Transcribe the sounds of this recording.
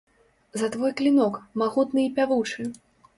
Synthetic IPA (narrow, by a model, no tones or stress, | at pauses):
zɐt̪vɔjklʲinɔkmaɣut̪nɨipʲavut͡ʂɨ